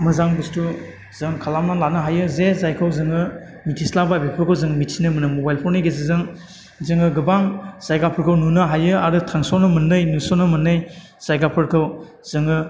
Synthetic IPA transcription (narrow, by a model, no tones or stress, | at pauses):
mɯzaŋbɯstu | zɯŋkʰalamalanɯɦajɯzezajkʰawzɯŋɯ | mitʰislababepʰɔɾkʰɯwzɯŋmitʰinɯmɯnɯmobajlpʰɔɾniɡezizɯŋ | zɯŋɯɡɯbaŋsajɡapʰɔɾkʰɯwnunɯɦajɯaɾɯtʰaŋsɔnɯmɯnːɯjnusɔnɯmɯnːɯj | z̥ajɡapʰɯɾkʰɯw | z̥ɯŋɯ